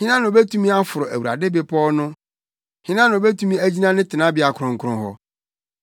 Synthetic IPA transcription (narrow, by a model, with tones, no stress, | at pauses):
hɪ̃˦nã˦ñ˨be˦tʰũ˦mĩ˦a˦fʊ˨ɾʊ˨ʔæ̰˨wu˨ɾa̰˨dɪ˦bɪ˨pʰɔ˦nʊ̃˦ | hɪ̃˦nã˦ñ˨o˨be˦tʰũ˦mĩ˦æ˦d͡ʑi˦nã˦nɪ̃˦tʰɪ˨nã˦bɪ˨a˨kʰɾʊ̃˨ŋ˨kʰɾʊ̃˦ɦɔ̰˨